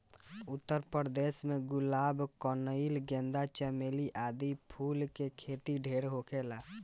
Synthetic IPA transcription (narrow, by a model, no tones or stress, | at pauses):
ʊt̪ːəɾpəɾd̪esmeɡʊlaːbkɔnəilɡɛ̃nd̪at͡ʃəmeliʔad̪ipʰulkekʰet̪iɖʱeɾɦokʰela